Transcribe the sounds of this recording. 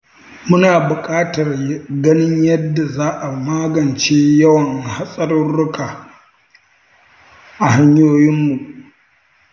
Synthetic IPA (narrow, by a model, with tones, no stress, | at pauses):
mʊ˦naː˨bʊ˨kʼaː˦tɐ˨rɡɐ˦nɪ˦ɲjɐ˦dːa˨zaː˦ʔa˨maː˦ɡɐ˨nt͡ʃeː˦jɐ˦wɐ˨ŋha˦sʼɐ˦ɾʊ˦nːʊ˦kaː˨ | ʔa˨ha˦ɲjoː˦jɪ˦mːu˨ʔ